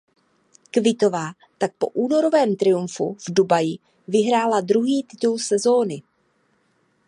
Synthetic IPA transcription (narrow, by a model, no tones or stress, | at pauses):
kvɪt̪o̞vaː | t̪ak̚po̞̰ʔuːno̞ɾo̞vɛːmt̪ɾɪjuɱfṵvdubajɪ | vɪɦɾaːladɾuɦiːt̪ɪt̪ulsɛzo̞ːnɪ